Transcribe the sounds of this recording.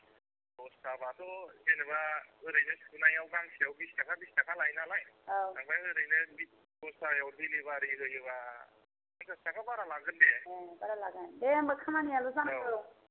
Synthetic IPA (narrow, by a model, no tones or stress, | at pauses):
ɔstabatɔzenɯbaɯɾɯjnɯskɯnajawɡaŋsiawbistakʰabistakʰalajnalajanaŋbajɯɾɯjnɯbit̚ | ɔstajawɾbilibaɾiɾɯjɯba | aŋtastakʰabaɾalaɡɯndebaɾalaɡajdemɯkʰamanialɔzanɯɾow